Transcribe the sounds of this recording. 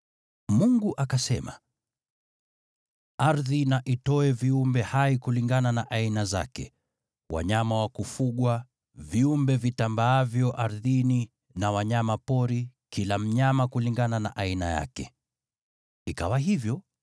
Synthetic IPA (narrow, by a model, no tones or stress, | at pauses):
muŋɡuʔakasɛma̰ | aɾðinaʔitɔɛviumbɛhaikuliŋɡananaʔainaza̰kɛ | wa̰ɲamawakufuɠwa | viumbɛvitambaːvjɔʔaɾðini | nawaɲamapɔɾikilam̩ɲamakuliŋɡananaʔaina̰ja̰kɛ | ikawaɦivjɔ